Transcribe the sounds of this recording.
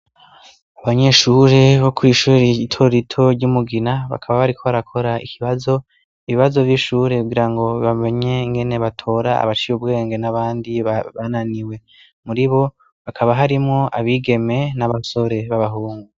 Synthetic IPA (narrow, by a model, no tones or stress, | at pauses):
aβaɲe̞ʃuɾe̞βo̞kuiʃuːɾeɾiitʰoɾitʰo̞ɟumuɡinaβa̰kʰaβaβaɾikʰo̞βaɾakʰo̞ɾaḭkʰiβazo̞ | iβiβazo̞vjiʃuːɾe̞kuɡiɾaŋɡo̞βamoɲe̞iŋɡe̞ne̞βatʰo̞ɾa̰a̰βat͡ʃiubɡe̞ːŋɡe̞naβaːndiβananiwe̞ | muɾiβo̞ | βakʰaβaɦaɾimŋo̞ʔaβiɡe̞me̞naβaso̞ɾe̞βaβaɦuːŋɡu